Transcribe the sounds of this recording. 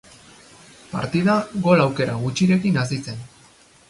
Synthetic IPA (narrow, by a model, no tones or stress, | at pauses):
pa̰ɾt̪iðaɣo̞lawke̞ɾaɣut͡ʃiɾe̞kinas̬it͡se̞n